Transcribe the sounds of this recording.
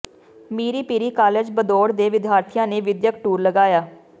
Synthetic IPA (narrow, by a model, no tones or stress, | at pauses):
miːɾiːpiːɾiːkaːled͡ʒbəd̪oːɽd̪eːʋɪd̪ʱjaːɾt̪ʰɪjãːneːʋɪd̪jəkʈuːɾləɡaːjaː